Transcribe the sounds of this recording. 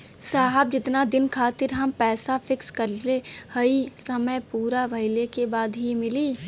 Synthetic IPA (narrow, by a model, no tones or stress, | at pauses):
saːɦəb̚d͡ʒɪt̪nad̪ɪnkʰaːt̪ɪɾɦɐmpɛːsafɪkskɐɾlehɐisɐməjpuːɾabʱɐɪlekebaːd̪ɦimɪliː